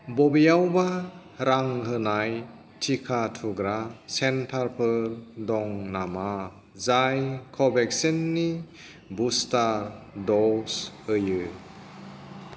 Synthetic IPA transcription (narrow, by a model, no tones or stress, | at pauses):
bɔbijawba | ɾaŋɦɯnaj | tʰikʰatʰuɡɾasentʰaɾpʰɯldɔŋnama | zajkʰɔbɛksenːi | bustaɾdɔsɯjɯ